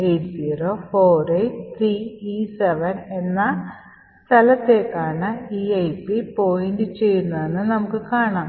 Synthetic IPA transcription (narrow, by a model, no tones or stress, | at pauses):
ejʈsiːɾo̞ːfoːrejʈt̪ʰɾiːiːseʋɐne̞nːɐ | st̪ʰɐlɐt̪ːeːkːaːɳɨiːɐjpːipo̞ːjindɨt͡ɕe̞jːunːɐðenːɨnɐmukːɨkaːɳaːm